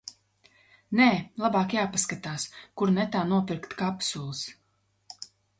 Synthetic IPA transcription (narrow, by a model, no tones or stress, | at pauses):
nɛːlˠabaːkjaːpaskat̪aːskuɾnɛt̪aːnuɔpʲiɾkt̪kapsulˠs